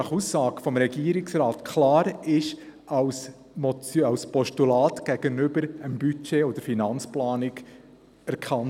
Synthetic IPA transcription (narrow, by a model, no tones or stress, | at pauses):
ɑχusːɑːɡ̥fɔmɾɛɡ̥iəɾɪksɾɑːtkʰlɑːɾɪʃ | ɑws | mɔt͡sɑwspɔʃtulɑːt̪ɡ̥ɛɡənʏbəɾəmbyt͡ʃeːod̪əɾfinɑnt͡splɑːnɪɡ | æɾkʰɑn